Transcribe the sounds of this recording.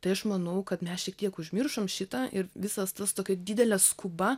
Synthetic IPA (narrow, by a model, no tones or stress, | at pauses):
t̪ɐɪɐʃmɐnɐʊkɐt̪mʲɛsʃʲiɛk̚t̪ʲiɛkʊʒʲmʲɪrʃomʃʲɪt̪ɑʔɪɾʋʲɪsɐst̪ɐst̪oːkʲɛd̪ʲɪd̪ʲɛlʲɛskʊbɐ